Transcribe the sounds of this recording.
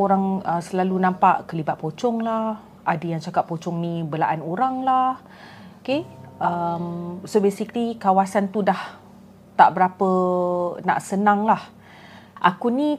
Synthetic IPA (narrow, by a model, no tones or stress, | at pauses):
oɾaŋəsəlalunãmpaʔkəlibat̪̚pot͡ʃɔŋlah | adəjaŋt͡ʃakap̚pot͡ʃɔŋnĩbəlaʔanoɾaŋlah | okeəmsobesiktikawasant̪udah | t̪aʔbəɾapəna̰ʔsənãŋlah | ʔa̰kuni